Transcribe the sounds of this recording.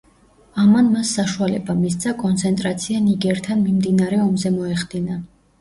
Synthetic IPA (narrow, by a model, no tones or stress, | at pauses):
amanmasːaʃualɛ̰bamis̬d̪zʰakʼɔnt̪sʰɛnt̪ʼɾat̪sʰianiɡɛɾt̪ʰanmimd̪inaɾɛɔmzɛmɔɛχd̪ina